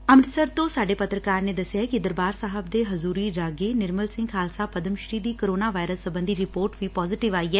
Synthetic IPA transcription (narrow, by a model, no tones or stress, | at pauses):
əmɾɪsəɾt̪õːsaːɖeːpət̪ɾəkaːɾneːd̪əsːɪjaːkɪd̪əɾbaːɾsaːɦəbd̪eːɦəzuːɾiːɾaːɡeːnɪɾməlsɪ̃ŋɡkʰaːlsaːpəd̪əmʃɾiːd̪iːkəɾoːnaːʋaːɪɾəsːəbə̃nd̪iːɾɪpoːɾʈʋiːpɔːzɪːʈɪʋaːiːɛː